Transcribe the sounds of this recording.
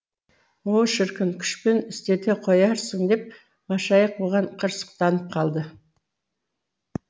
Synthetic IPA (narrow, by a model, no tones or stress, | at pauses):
woʃɪɾkʲɪŋkʲʰʏ̥ʃpenɪst̪e̞t̪eqʰojɑɾsəŋd̪e̞p̚ | mɑʃɑjəq̚woʁɑɴqʰəɾsə̥q̚t̪ɑnəp̚qʰɑlˠd̪ə